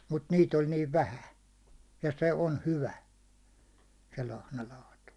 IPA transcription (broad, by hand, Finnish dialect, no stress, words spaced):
mut niːt olʲ niːʋ ʋæhæn̞ jɑ se on hyʋæ se lɑhnɑlɑːtu